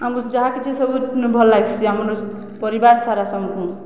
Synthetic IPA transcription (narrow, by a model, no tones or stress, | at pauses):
amud͡ʒaɦakit͡ʃʰesɔbunbʱɔlːaɡt͡ʃʰiamɾu | pʌɾibaɾsaɾasɔmkũ